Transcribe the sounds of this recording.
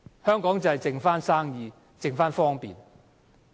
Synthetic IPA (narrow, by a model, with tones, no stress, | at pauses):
hœː˥ŋkɔː˨˥ŋt͡sɐ˨hɐ˨jt͡sɪ˨ŋfaː˥nsaː˥ŋjiː˨˧ | t͡sɪ˨ŋfaː˥nfɔː˥ŋpḭː˨n